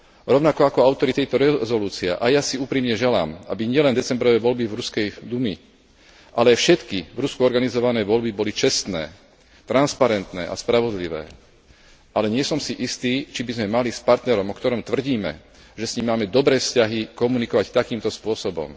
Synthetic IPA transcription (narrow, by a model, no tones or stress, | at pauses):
ɾɔʊnakɔakɔaʊt̪ɔɾit̪ɛjt̪ɔɾɛzɔluːt͡sia̰ʔajasiuːpɾiːmɲɛʒɛla̰ːmabiɲɪɛlɛnd̪ɛt͡sɛmbɾɔʋɛʋɔlbivɾuskɛjd̪umi | ʔalɛajfʃɛt̪kivɾuskuɔɾɡanizɔʋanɛːʋɔlbibɔlit͡ʃɛst̪nɛː | t̪ɾanspaɾɛnt̪nɛ̰ːʔa̰spɾaʋɔd̪liʋɛ̰ː | ʔalɛɲɪɛsɔmsiʔist̪iːt͡ʃibizmɛmalispaɾt̪nɛɾɔmɔkt̪ɔɾɔmt̪ʋr̩ɟiːmɛ̰ | ʒɛsɲimːaːmɛd̪ɔbɾɛːfscaɦikɔmunikɔʋact̪akiːmt̪ɔspʊɔsɔbɔ̰m